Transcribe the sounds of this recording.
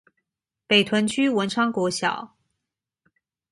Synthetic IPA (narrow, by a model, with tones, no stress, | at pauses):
pe˨˩ɪt̪ʰwə˧˥nt͡ɕʰy˥wə˧˥nʈ͡ʂʰɑ˥ŋkwɔ˧˥ɕjɑ̰˨˩˦ʊ